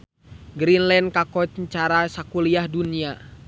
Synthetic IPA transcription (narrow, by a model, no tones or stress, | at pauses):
ɡɾinlɛnd̚kakɔt͡ʃɲt͡ʃaɾasakuliahdunia